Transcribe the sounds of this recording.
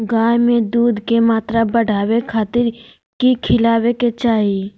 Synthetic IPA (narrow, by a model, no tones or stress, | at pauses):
ɡaːjmẽd̪uːd̪ʱkemaːt̪ɾabəɽʱaːwekʰaːt̪ɪɾ | kikʰɪlaːweket͡ʃaːɦi